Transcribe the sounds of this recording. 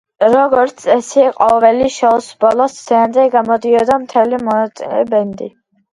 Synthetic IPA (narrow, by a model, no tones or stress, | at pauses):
ɾɔɡɔɾt̪sʰɛsiqʼɔvɛliʃɔsbɔlˠɔszɛand̪ɛɡamɔd̪iɔd̪amt̪ʰɛlimɔt̪ʼiɛbɛnd̪ḭ